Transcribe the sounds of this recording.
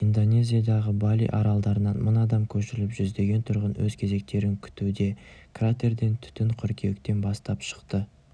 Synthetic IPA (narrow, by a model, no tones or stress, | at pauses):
ind̪o̞nʲe̞zʲijad̪ɑʁəbɑlʲḭjʔɑɾɑlˠd̪ɑɾənɑnmʊnɑd̪ɑmkʲʰɵʃɪɾɪlɪpʒʏzd̪e̞ɡʲe̞nt̪ʰʊɾʁənwɵzkʲʰe̞ze̞k̚t̪e̞ɾɪŋkʲʰʏ̥t̪ud̪e̞krat̪e̞rd̪e̞nt̪ʰʏ̥t̪ɪŋqʰʏɾkʲʰe̞kt̪e̞nbɑst̪ɑpʃə̥qt̪ə